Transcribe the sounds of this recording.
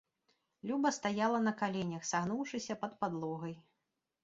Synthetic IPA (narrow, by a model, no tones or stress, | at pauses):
lʲubɐst̪ajalˠɐnɐkalʲɛnʲɐxsaɣnuwʂɨsʲɐpɐt̪pad̪lˠɔɣɐj